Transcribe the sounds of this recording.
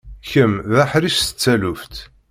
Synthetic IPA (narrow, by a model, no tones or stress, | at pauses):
çəmðæħɾistə̥t͡sːæluft̪